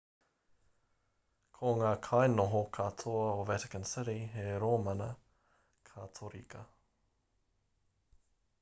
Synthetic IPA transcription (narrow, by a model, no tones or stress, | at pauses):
kʰoŋaːkʰɐenoɦokʰatʰoɐovɛtɪ̥kənsɪɾiɦeɾoːmɐnə | kʰatʰoɾḭkɐ